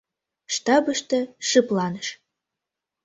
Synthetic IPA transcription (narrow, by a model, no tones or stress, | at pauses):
ʃt̪ɑbəʃt̪ə̆ʃɨplɑnəʃ